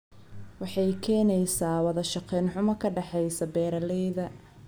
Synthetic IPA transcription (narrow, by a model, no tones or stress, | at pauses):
wɑħɑjkʰɛːnɛjsaːwɐðɐʃɑqɛːnħʊmɐkʰɐɖɑħɛjsɐbɛːɾɐlɛjðɐ